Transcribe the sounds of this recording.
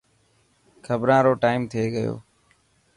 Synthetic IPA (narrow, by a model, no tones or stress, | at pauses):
kʰəbɾãːɾoːʈaːɪmt̪ʰeːɡəjo̰ː